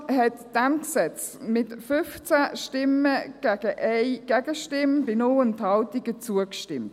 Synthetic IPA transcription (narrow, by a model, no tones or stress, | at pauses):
ɦɛtd̥ɛmksɛt͡s | mɪtfʏft͡saʃtɪməɡ̥æɡ̥əʔɛɪɡ̥ɛɡəʃtɪmb̥ɪnoənthɑltiɡət͡suəkʃtɪmt